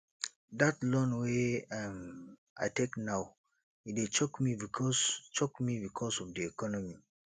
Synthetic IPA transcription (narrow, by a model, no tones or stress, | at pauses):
datlɔ̃nweam | ʔa̰ɪtʰeknaʊ | it̚et͡ʃɔkmibikʰɔst͡ʃɔkmibikʰɔsɔvdiɛkʰɔnɔmi